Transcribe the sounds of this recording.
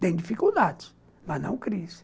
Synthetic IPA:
t̪ɛ̃j̃d̪ifikulˠd̪ad̪s | manã̰wkɾis

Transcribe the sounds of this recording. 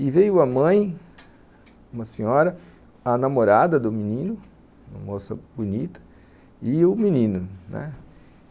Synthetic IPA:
ɪvejʊɐmɐ̃j̃ | ũmɐsĩɲɔɾɐ | ɐnamoɾad̪ɐd̪ʊminĩnʊ | ũmɐ̰mosɐ̰bunit̪ɐ̥ | ɪʊminĩnʊnɛ̰

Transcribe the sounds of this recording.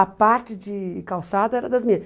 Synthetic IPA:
ɐpaɾt͡ʃɪd͡ʒɪkawsad̪ɐɛɾɐd̪ɐzmĩɐ

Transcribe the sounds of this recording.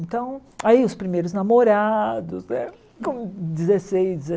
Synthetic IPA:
nt̪ɐ̃w̃aiʊspɾimejɾʊznamoɾad̪ʊsnɛ̰ | kõd͡ʒɪzesejzd͡ʒɪze

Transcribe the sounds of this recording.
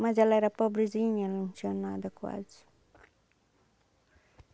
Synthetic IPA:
mɐzɛlɛɾɐpɔbɾiziɲɐlunsjonad̪ɐkwa̰zi̥

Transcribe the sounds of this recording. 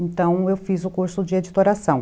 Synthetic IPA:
ẽt̪ɐ̃w̃ewfizʊkuɾsʊd͡ʒɪed͡ʒit̪oɾasɐ̃w̃

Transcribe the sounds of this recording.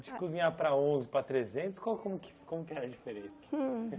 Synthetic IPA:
d͡ʒɪkuzĩɲapɾɐõzɪpɾɐt̪ɾezẽnt̪ʊskwawkõmʊkɪ̥kõmʊkɪɛɾɐd͡ʒifeɾẽsɐɐk

